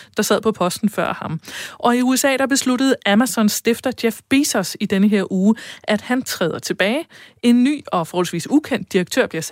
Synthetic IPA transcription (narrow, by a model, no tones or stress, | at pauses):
d̥ɑ̈sæð̞̰ˠpʰɒ̽pʰɒ̽sd̥n̩fɶɐ̰hɑ̈mʔɒ̽iuesɛ̰ːɾ̥ɑ̈b̥e̝sluɾəð̞̩ˠæmæsɒ̽nsd̥e̝fd̥ɐd̥jefb̥isɒsid̥enəɦe̝ɐ̰ʔuːʔæd̥hænt͡sʰʁɛːð̞ˠɐt͡sʰe̝b̥ɛːɪe̝nːy̰ːɒ̽fɒɔːhɒl̩sʋḭːsukʰen̰d̥̚ːiʁɐɡ̥̚t͡sʰøɐ̰b̥liɐs